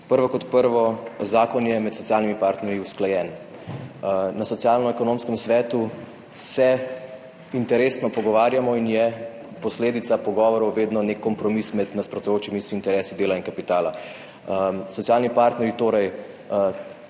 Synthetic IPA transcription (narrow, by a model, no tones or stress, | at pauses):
pəɾʋɔkɔt̪pəɾʋɔzaːkɔnjɛmɛt̪sɔtsijaːlnimipaːɾt̪nɛɾjiusklajɛːn | nasɔt̪sjalnɔɛkɔnoːmskəmsʋɛːt̪u | sɛ | int̪ɛɾeːsnɔpɔɡɔʋaːɾjamɔinjɛ | pɔsleːd̪it̪sapɔɡɔːʋɔɾɔwʋeːd̪nɔnekːɔmpɾɔmismɛd̪naspɾɔt̪ujoːt͡ʃimisːnt̪ɛɾɛːsid̪eːlainkapit̪aːla | sɔt̪sijaːlnipaːɾt̪nɛɾjit̪oːɾɛj